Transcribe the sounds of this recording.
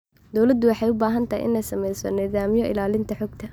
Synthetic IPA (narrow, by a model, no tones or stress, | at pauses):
d̪ɔwlɐd̪ʊwɑħɑjʊbaːɦɐnt̪ʰɐɦj̰ʔɪ̰nɛjsɐmɛjsɔnɪðaːmjɔʔɪ̰laːlɪnt̪ʰɐħɔɡt̪ʰɐ